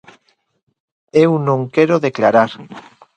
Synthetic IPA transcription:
ewnõŋkeɾoðeklaɾaɾ

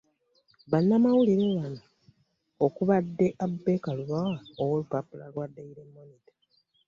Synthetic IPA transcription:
βanːamawuliɾelana | okuβadːe̞ʔabːe̞kaluβawaowolupapulalwadːeiɾemːo̞nitḁ

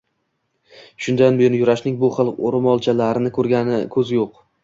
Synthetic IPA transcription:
ʃʊnd̪anbejɒnjʊɾaʃnɪŋbʊχɨlˠqoɾɪmɒlˠt͡ʃʰalaɾɪnɪkʰɵɾɡʲanɪkʰɵzɪjoq

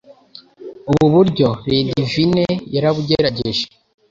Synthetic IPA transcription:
uβuβuɾɟo̞ɾeːndivinejaɾaβuɟeɾaɟeʒe

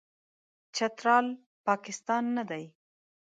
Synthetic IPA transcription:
t͡ʃat̪ɾɑl | pɑkɪst̪ɑnːad̪aj

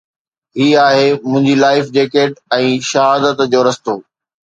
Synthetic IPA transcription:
ɦiːaːɦemʊ̃ɦɪ̃ɲd͡ʑilaːɪfd͡ʑeːkeːʈɛ̃ːʃɐɦaːd̪ət̪d͡ʑoːɾɐst̪oː

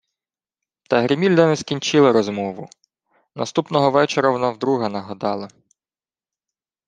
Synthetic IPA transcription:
t̪ɐɦɾɪmʲilʲd̪ɛneskʲinʲt͡ʃɪlˠɐɾɔzmɔʋʊ | nɐst̪upnɔɦɔʋɛt͡ʃeɾɐʋɔnawd̪ɾuɦɐnɐɦɐd̪ɑlˠɐ

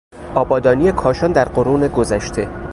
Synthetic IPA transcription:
ʔɒːbɒːd̪ɒːnije̞kʰɒːʃɒːnd̪æɾɢoɾuːne̞ɡo̞zæʃt̪ʰe̞

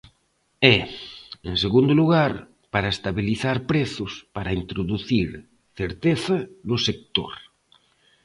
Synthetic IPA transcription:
ɛenseɣund̪oluɣ̞aɾ | paɾaest̪aβiliθaɾpɾeθospaɾaint̪ɾoðuθiɾ | θeɾt̪eθanosek̚t̪o̰ɾ

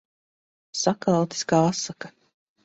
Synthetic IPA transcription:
sakalˠawt̪i̥skaːasːaka

